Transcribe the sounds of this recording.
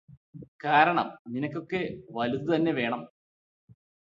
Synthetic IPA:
kaːɾɐɳɐ̰mninɐkʲːo̞kːe̞ʋɐluðut̪ɐnːe̞ʋe̞ːɳɐm

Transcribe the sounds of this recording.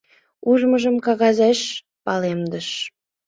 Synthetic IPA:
uʒməʒəmkɑɣɑzeʃ | pɑlemd̪əʃ

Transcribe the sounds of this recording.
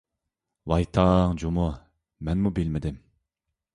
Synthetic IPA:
wɑjt̪ʰɑŋd͡ʒomʊ | mɛnmubɪlmɪd̪ɪm

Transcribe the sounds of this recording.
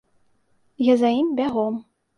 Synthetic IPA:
jazaimbʲaɣɔm

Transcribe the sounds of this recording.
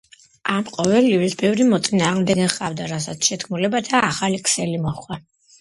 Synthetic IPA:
amqʼɔvɛlivɾisbɛvɾimɔt̪sʼinaːʁmd̪ɛɡɛχavd̪aɾasat̪sʰʃɛd̪ɡʰmulɛbat̪ʰaːχalikʰsɛlimɔχwa

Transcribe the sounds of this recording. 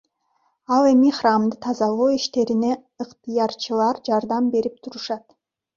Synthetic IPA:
ɑlˠe̞miχrɑmd̪ɯt̪ʰɑzɑlˠoːiʃt̪e̞ɾine̞ | ɯqt̪ɨjɑɾt͡ʃɯlˠɑɾd͡ʒɑɾd̪ɑmbe̞ɾip̚t̪ʰuɾuʃɑt̪

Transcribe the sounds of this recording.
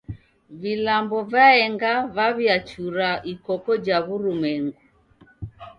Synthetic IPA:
vilambɔvaɛŋɡaβaβiat͡ʃuɾaʔikɔkɔd͡ʒaβuɾumɛŋɡu

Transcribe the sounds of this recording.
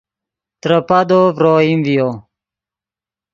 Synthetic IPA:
t̪ɾəpad̪ovɾoːimvijoː

